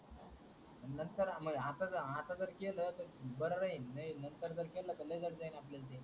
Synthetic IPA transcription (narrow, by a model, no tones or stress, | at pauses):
nənt̪əɾməɡɦat̪ad͡zəɾɦat̪ãd͡zəɾkelət̪əɾbəɽəɾəiːainənt̪əɾd͡zəɾkelət̪əled͡zəɽd͡zajnapljasd̪e